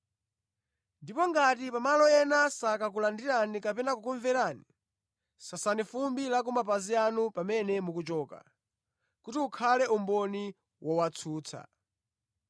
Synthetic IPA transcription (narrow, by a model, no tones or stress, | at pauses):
ndipɔŋɡatipamalɔɛnasakak̬ulandiɾanikapɛnakukuɱvɛɾani | sasanifumbilak̬umap̬azianupamɛnɛmukut͡ʃɔːka̰ | kutiukʰalɛʔumbɔni | wʔɔwat͡sʰuːt͡sʰa̰